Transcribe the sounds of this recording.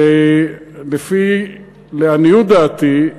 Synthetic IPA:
e | lefi | leanijud̪aːt̪i

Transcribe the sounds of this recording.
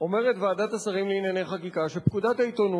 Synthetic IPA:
o̞meʁe̞t̪vaːdat̪asaʁimliinjaneχakikaʃepkudatait̪o̞nu

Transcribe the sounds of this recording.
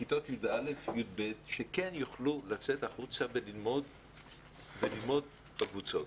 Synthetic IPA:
kit̪ot̪jud̪ʔalefjud̪̚bet̪ʃekenjuχlulat͡setaχut͡sabelilmod | belilmo̞d̪̚ | bakvut͡so̞t

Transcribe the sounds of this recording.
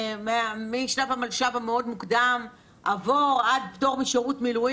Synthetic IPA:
memiʃnavamalʃavameo̞d̪mukd̪am | ʔavoʁad̪bto̞ʁmiʃeʁutmilu

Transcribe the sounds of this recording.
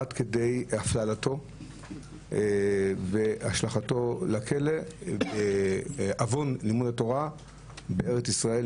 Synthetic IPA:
adke̞de̞jaflalato̞ | veaʃlaχato̞lakʰele | avo̞nlimudato̞ʁa | beeʁet͡sisʁae

